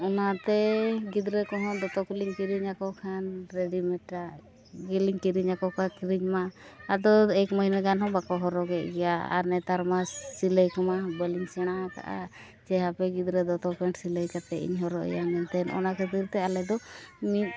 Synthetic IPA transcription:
ɔnat̪ɛɡid̪ɾɛkɔɦɔ̃d̪ɔt̪ɔkuliŋkiɾiɲakɔkʰanɾeɖimɛʈːa | ɡɛliŋkiɾiɲakɔkakiɾiɲmaad̪ɔɛkməɦinaɡanɦɔ̃bakɔɦɔɾɔɡɛʔɡɛjaa̰ɾnɛt̪aɾmasiləjkɔmabəliŋsɛɽ̃aat̪a̰ʔa̰ | d͡ʒɛɦapɛɡid̪ɾɛd̪ɔt̪ɔpɛɳʈsiləjkat̪ɛḭɲɦɔɾɔɛ̰jamɛnt̪ɛnʔɔ̰nakʰət̪iɾt̪ɛalɛd̪ɔmit̪̚

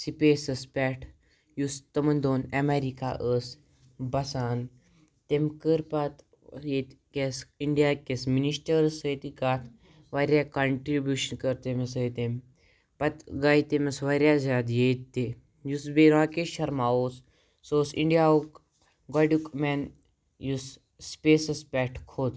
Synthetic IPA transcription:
sipesəspʲɛːʈʰ | just̪əmənd̪oːnɛmeɾika̰ʔəs | bɐsaːn | t̪emkəɾpat̪ | jet̪kesiɳɖijakesminisʈəɾsət̪ikat̪ʰ | ʋaɾʲjakɐɳʈɾibjuʃənkəɾt̪emesəjt̪em | pɐt̪ɡaːit̪emɐsʋaɾʲjazʲaːd̪jet̪t̪ːe | jusbeɾãːkeʃɐɾmaːosː | osḭɳɖijauk | ɡaɖukmɛːn | jus | speːsəspɛːʈʰkʰoːt̪

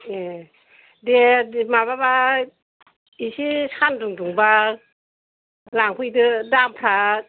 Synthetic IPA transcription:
e | demaβaba | isisanduŋduŋba | laŋkʰujdɯdampʰɾa

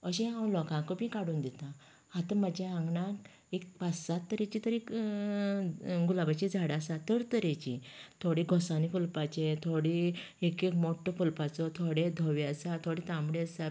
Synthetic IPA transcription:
əɕẽãlɔkãkəpĩkaɽuːnd̪ɛt̪ã | hat̪əməd͡ʑʱjaãŋɡnak | ekpasat̪ːəɾet͡ɕit̪əɾik | ɡulabat͡ɕid͡zʱaɽasat̪əɾt̪əɾet͡ɕit̪ʰoɽiɡʱɔsanifulpat͡ɕet̪ʰoɽi | ekekmoʈːɔfulpat͡sɔt̪ʰoɽed̪ʱɔʋeəsat̪ʰoɽet̪ãmbɽeəsa

